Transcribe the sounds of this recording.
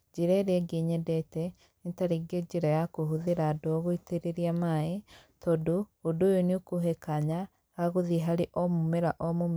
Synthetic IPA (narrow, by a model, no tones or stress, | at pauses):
d͡ʒiɾaeɾɛɡeɲɛdɛtɛ | itaɾiɡeɟiɾajakoɦuðeɾadoɣoiteɾeɾiamaetɔdoːdojoniokoɦekaɲa | ɣaɣoðiɦaɾeʔɔmumeɾaʔɔmom